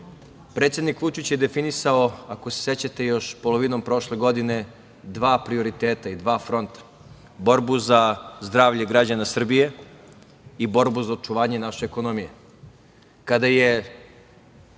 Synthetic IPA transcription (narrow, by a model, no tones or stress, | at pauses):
pɾet̪sje̞d̪nikʋut͡ʃit͡ɕjed̪e̞finisaoako̞se̥se̞t͡ɕat̪e̞jo̞ʃpo̞lˠo̞ʋino̞mpɾo̞ʃle̞ɡo̞d̪ine̞ | d̪ʋaːpɾio̞ɾit̪eːt̪aid̪ʋaːfɾo̞nt̪ḁ | bo̞ɾbuzazd̪ɾaːʋʎeɡɾad͡ʑanasr̩bije̞ | ibo̞ɾbuzaot͡ʃuʋaːɲe̞naʃeːko̞nomije | kad̪aje̞